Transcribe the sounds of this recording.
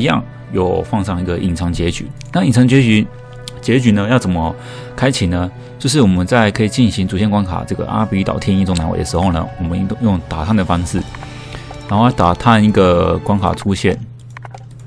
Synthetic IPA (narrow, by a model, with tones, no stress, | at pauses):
jɑ̰˥˩˨ŋ | jo˨˩ʊfɑ˥˧ŋʂɑ˥˩ŋi˧˥ɡə˨ʔḭ˨˩nt͡sʰɑ˧˥ŋt͡ɕjɛ˧˥t͡ɕy̰˨˩˦na˥˩i˨˩nt͡sʰɑ˧˥ŋt͡ɕjɛ˧˥t͡ɕy˧˥ | t͡ɕjɛ˧˥t͡ɕy˨˩nə˧jɑ˥˩ʊt͡sə˨˩nmə˦ | kʰa˥ɪt͡ɕʰi˨˩nə˦ | t͡ɕjo˥˧ʊʂ̬ɻ̩˥˩wɔ˨˩mə˦nt͡sa˥˩ɪkʰɤ˧˥i˨˩t͡ɕi˥˩nɕi˧˥ŋt͡su˨˩ɕjɛ˥˩nkwa˥nkʰa̰˨˩ʈ͡ʂɤ˥˩ɡə̰˩ʔa̰˥pi˧˥t̪ɑ̰˨˩t̪ʰjɛ˥ni˥˧˩t͡sʊ˥ŋna˧˥wḛ˨˩də˦˩ʂɻ̩˧˥xo˥˩ʊnə̰˩wɔ˨˩mə˧˦˥t̪ŋjʊ˥˩ŋt̪a˨˩t̪ʰa˥nd̪ə˨˩fɑ˥ŋʂɻ̩˥˩ | ɻa˨˥xo˥˩jt̪a˨˩t̪ʰa˥˧ni˥˩ɡə˩kwa˥nkʰa̰˨˩ʈ͡ʂʰu˦˥ɕjɛ̰˥˩n